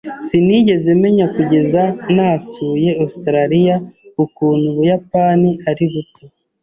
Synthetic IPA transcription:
siniɟe̞ze̞me̞ɲakuɟe̞zanasuːje̞ostɾaɾijaukuːnhuβujapaːniaɾiβuti

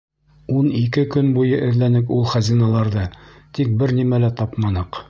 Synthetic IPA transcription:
unikɘkɵnbujɤʔɘ̆ɾlænɘkulˠχæzinɑlˠɑɾðɤt̪ik̚bɘɾnimælæt̪ɑpmɑnɤq

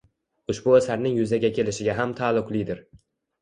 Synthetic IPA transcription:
ʊʃbʊasaɾnɪŋjʊzaɡʲakʲʰe̞lɪʃɪɡʲaɦamt̪ʰalˠːʊqlˠɪd̪ɪɾ

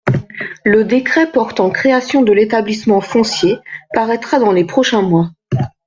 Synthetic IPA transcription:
ləd̪ekχɛpɔʁt̪ɑ̃kχeasjɔ̃d̪əlet̪ablismɑ̃fɔ̃sjepaʁɛt̪χad̪ɑ̃lepχɔʃɛ̃mwa

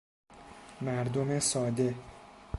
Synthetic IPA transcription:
mæɾd̪omesɒːd̪e̞

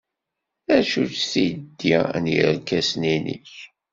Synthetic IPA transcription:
æʃut͡ʃθid̪ːḭnjiɾkæsninḭç

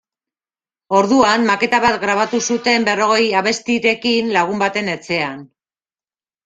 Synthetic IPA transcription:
o̞ɾðuanmake̞t̪aβat̪ɡɾaβ̞at̪usut̪e̞mbe̞ro̞ɣ̞e̞jaβe̞st̪iɾe̞kinlaɣ̞umbat̪e̞net͡se̞an

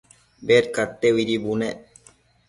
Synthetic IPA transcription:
bet̪̚kaɾt̪ːewiɾibune

